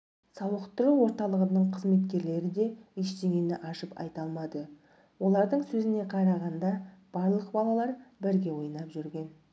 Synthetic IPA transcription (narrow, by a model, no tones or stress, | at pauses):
sɑwəqt̪əɾəwo̞ɾt̪ɑlˠəʁənəɴqʰəzme̞t̪kʲe̞ɾle̞ɾɪd̪e̞iʃt̪e̞ɡʲe̞nɪʔɑʃəpɑ̰jt̪ɑlˠmɑd̪ə | wo̞lˠɑɾd̪əɴsɵzɪne̞qʰɑɾɑʁɑnd̪ɑb̥ɑɾlˠəqbɑlˠɑlˠɑɾbɪɾɡʲe̞wo̞jnɑpʒʏɾɡʲe̞n